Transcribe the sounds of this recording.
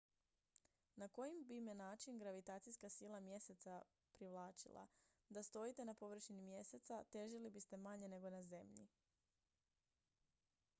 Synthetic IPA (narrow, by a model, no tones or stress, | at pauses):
nako̞jimbimenaːt͡ʃinɡɾaʋit̪aːt̪sijskasiːlˠamje̞set̪sa | pɾiʋlˠaːt͡ʃḭlˠa̰ | d̪ast̪o̞jit̪e̞napo̞ʋr̩ʃinimje̞set̪sat̪e̞ʒilibist̪e̞maɲe̞ne̞ɡo̞naze̞mʎḭ